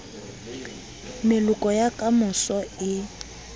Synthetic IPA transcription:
mɪlʊkʼɔjakʼamʊsɔɪ

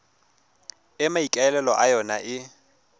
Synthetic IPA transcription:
ɪmaikʼaɛlɛlɔʔajɔnaʔɪ

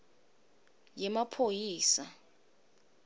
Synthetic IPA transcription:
jɛmapʰojiːsa

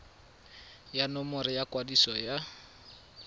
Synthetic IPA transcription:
janɔmʊɾɪjakwadisɔja

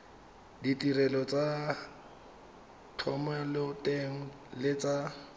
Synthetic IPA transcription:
ditirɛlɔt͡sʼa | tʰɔmɛlɪtʼeŋ̩ | lɪt͡sa

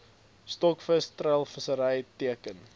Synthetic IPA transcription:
stɔkfəstrəlˠfəsəɾəjtiəkən

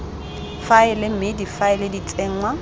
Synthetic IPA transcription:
faɪlɪm̩mɪdifaɪlɪdit͡sʼɪːŋ̩wa

